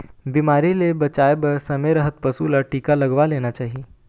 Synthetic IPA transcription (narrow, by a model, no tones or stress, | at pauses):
biːmaːɾilebɐt͡ʃaːebɐɾsɐmeɾɐɦət̪̚pɐsulaʈiːkalɐɡʋaleːnat͡ʃaːɦieː